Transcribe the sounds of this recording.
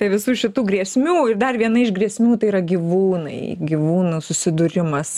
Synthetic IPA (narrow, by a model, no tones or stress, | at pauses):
t̪ɐɪʋʲɪsuːʃʲɪt̪uːɡɾʲiɛsʲmʲuːɪrd̪ɐrʋʲiɛnɐɪʒɡrʲiɛsʲmʲuːt̪ɐɪiːɾɐɡʲiʋuːnɐ̰ɪɡʲiʋuːnusʊsʲɪd̪ʊɾʲɪmɐs